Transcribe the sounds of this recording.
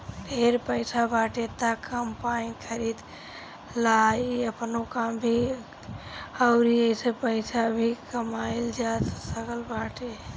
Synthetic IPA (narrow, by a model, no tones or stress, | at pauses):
dʱeɾpəɪsabaʈet̪akəmpainkʰəɾid̪ | laəpnokambʱi | əʊɾiəsepəɪsabʱikəmaild͡ʒat̪səɡəlbaʈe